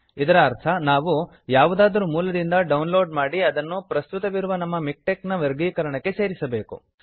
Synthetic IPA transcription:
id̪ɐɾɐːɾt̪ʰɐnaːʋu | jaːʋud̪aːd̪ɐɾumuːlɐd̪ind̪ɐɖɐwnlo̞ːɖmaːɽiɐd̪ɐnːupɾɐst̪ut̪ɐʋiɾuʋɐnɐmːɐmik̚ʈeknɐʋeɾɡiːkɐɾɐɳɐkːe̞se̞ːɾisɐbe̞ːkṵ

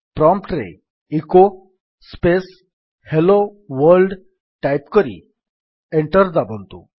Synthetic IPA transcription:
pɾɔmpʈɾḛ | iko | spes | heloʋəɾlɖ | ʈajpkəɾḭ | eɳʈəɾd͡zabəlt̪ṵ

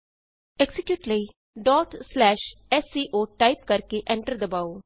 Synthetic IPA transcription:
ɛksɪkjuːʈləiː | ɖɔːʈslɛːʃɛːsiːʔoːʈaːip̚kəɾkeːʔɛ̃ːɳʈəɾd̪əbaːoː

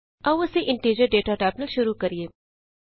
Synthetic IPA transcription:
ɐwːəseʔɪ̃ɳʈeːd͡ʒəɾɖeːʈaʈaːbnəlʃʊɾukɐɾijeː

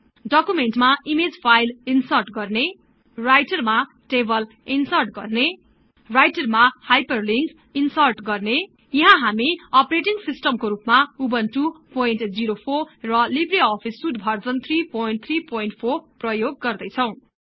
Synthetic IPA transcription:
ɖʌkumenʈmaimed͡zpʰajlinsʌrʈɡʌrne | rajʈʌrma | ʈebʌl | insʌrʈɡʌrne | rajʈʌrmahajpʌrliŋk | insʌrʈɡʌrne | jʌɦãɦamiʌpreʈiŋsisʈʌmkoɾupmaubʌnʈupojnʈd͡ziɾopʰorrʌlibriɔpʰisːudbʱʌrd͡zʌnt̪ʰripojinʈ̚t̪ʰripoinʈpʰorprʌjoɡːʌrd̪ʌjt͡sʰʌw̃

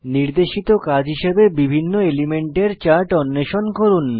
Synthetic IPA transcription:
niɾd̪eʃit̪okad͡ʑɦiʃebebibʱinːoelimeɳʈeɾt͡ɕaɾʈɔnːeʃonkoɾun

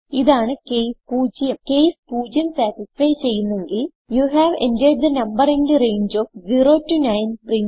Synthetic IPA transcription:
iðaːɳɨkejspuːd͡ʑjɐkeːspuːd͡ʑjɐmsæːʈisfɐjt͡ɕe̞jːunːe̞ŋɡil | juɦæːʋḛndeɖ̚d̪ɨnɐmbɐɾenɖɨrejɲd͡ʑoːfziroːtːunɐjnprin

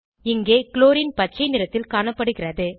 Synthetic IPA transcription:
ɪŋɡeːkɪloːɾɪnpɐʈ̚t͡ʃːɐɪnɪɾɐt̪ːɪlkaːɳɐpːɐɽɯɣɪrɐðɯ

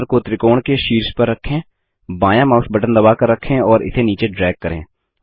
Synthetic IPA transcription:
ɾkot̪ɾɪkoːɽ̃keʃiːɾspɐɾːɐkʰːẽː | bãːjãmaːʊsbɐʈənd̪ɐbaːkəɾːɐkʰːẽɔːɾɪ̰t̪ʰeniːt͡ʃeɖɾɛːɡ̚kəɾḛ̃ː

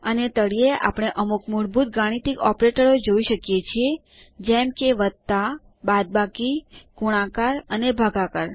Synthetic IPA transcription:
ənet̪əɽijeʔa̰pɽ̃eʔəmukmuɾbʱut̪̚ɡaɽ̃it̪ikɔpɾeʈəɾod͡ʒoiʃəkjet͡ʃʰie | d͡ʒɛmkeʋəd̪t̪a | bad̪̚bakikuɽ̃ãkaɾənebʱaɡakaɾ

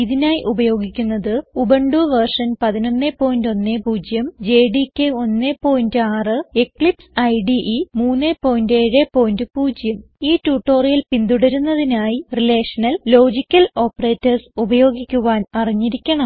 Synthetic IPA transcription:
iðinaːjiʔubɐjo̞ːɡikʲːunːɐðɨubɐɳɖuʋɐrʂɐnpɐðino̞nːepːo̞ːjindo̞nːepuːd͡ʑjɐmd͡ʑe̞ːɖikʲːeo̞nːepo̞ːjindɨaːrɨekɭipsɐjɖiʔimuːnːepo̞ːjindeːɻepo̞ːjindɨpuːd͡ʑjɐm | iːtuːʈːo̞ːrijɐlpind̪uɽɐɾunːɐðinaːjirile̞ːʂɐnɐlːo̞ːd͡ʑikʲːɐlo̞ːpːɐre̞ːtːɐrsubɐjo̞ːɡikʲːuʋaːnɐriɲːiɾikʲːɐɳɐm

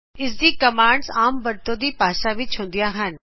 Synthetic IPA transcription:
ɪs̬d̪iːkəmaːɳɖsaːmbəɾt̪õːd̪iːpaːʃaʋɪt͡ʃɦʊ̃ːn̆d̪ijaːɦən

